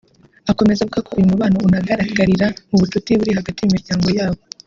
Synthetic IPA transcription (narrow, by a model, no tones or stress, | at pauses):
ako̞me̞zaβuɡakojumuβaːno̞unaɡaɾaɡaɾiɾamuβututiβuɾiɦaɡatijimiɾɟaːŋɡo̞jaːβo̞